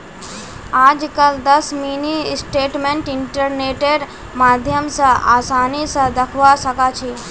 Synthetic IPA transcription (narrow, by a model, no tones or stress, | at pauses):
aːd͡ʒkəld̪əsmiːnisʈeːʈmẽɳʈɪɳʈəɾneːʈeɾ | maːd̪ʱjəmsə̃a̰ːsaːnisə̃d̪əkʰʋasəkat͡ʃʰi